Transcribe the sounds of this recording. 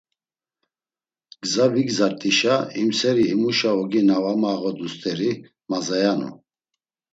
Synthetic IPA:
ɡ̥zaviɡzaɾt̪ʼiʃaimsɛɾiimuʃaɔɡinavamaːɣɔd̪ust̪ʼɛɾi | mazajanṵ

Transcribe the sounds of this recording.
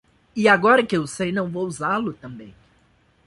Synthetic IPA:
ɪaɡɔɾɐkɪewsejnɐ̃w̃vowuzalʊt̪ɐ̃mbḛ̃j̃

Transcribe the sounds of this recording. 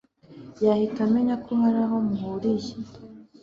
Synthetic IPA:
jahitameɲakʰuhaɾaɦo̞muhuɾiji

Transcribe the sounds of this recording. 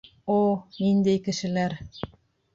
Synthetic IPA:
onind̪æjkɘ̆ʃɘ̆læɾ

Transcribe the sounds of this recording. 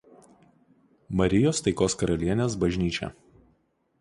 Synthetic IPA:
mɐɾʲɪjoːst̪ɐɪkoːskɐɾɐlʲiɛnʲeːsbɐʒʲnʲiːt͡ʃʲɛ̰

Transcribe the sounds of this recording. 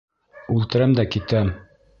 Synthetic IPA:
ʉlt̪ɘ̆ɾæmd̪ækit̪æm

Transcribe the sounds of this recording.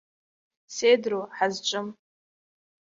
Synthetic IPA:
sedroħazt͡ʃʷʼʊm

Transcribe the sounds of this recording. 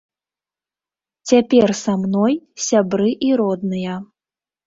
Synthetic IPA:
t͡sʲapʲɛrsamnɔjsʲabɾɨʔiɾɔd̪̚nɨjɐ

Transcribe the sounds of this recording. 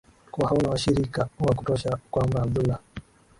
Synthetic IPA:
kuwahaunawaʃiɾikawak̬u̥tɔʃakwambaːbdula

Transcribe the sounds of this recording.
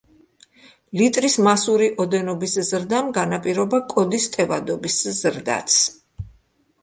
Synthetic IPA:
lit̪ʼɾismasuɾiʔɔd̪ɛnɔbiszɾd̪amɡanapʼiɾɔbakʼɔd̪ist̪ʼɛvad̪ɔbiszɾd̪a̰t̪sʰ

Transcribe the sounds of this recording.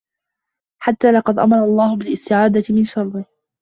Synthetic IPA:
ħat̪ːaːlɑqɑd̪ʔa̰mɑɾˤɑlˤːɑːhʊbɪlɪst̪ɪʕaːd̪amɪnʃɑɾˤd̪ɪh

